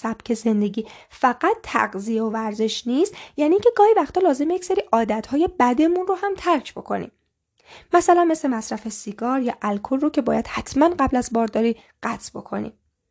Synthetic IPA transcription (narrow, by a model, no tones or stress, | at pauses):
sæb̥cʰe̞ze̞nd̪e̞ɟiːfæɡæt̪ʰːæ̰ɡzijeovæɾze̞ʃniːst̪jæːniːŋcʰe̞ɡɒːhivæxt̪ʰɒːlɒːze̞mejecseɾiːʔɒːd̪æt̪ʰhɒːje̞bæd̪e̞munrohæmt̪ʰæɾcʰbo̞̰kʰo̞̰nḭːm | mæsælænme̞sle̞mæsɾæfesiɡɒːɾjɒːʔælkʰolːocʰe̞bɒːjæd̪̥hæt̪ʰmænɢæblæzbɒːɾd̪ɒːɾiː | ɢ̥æt̪ʰbo̞̰kʰo̞̰nḭːm